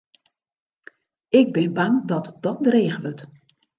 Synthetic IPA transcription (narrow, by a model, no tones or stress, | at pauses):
ɪɡ̚bɪnbaŋdɔtd̥ɔt̚dreːɣəʋøt